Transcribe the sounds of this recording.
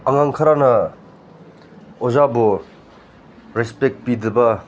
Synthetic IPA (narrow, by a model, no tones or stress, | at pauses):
aŋaŋkʰaɾanɐ | ozabo | ɾespek̚pid̪ɯbɐ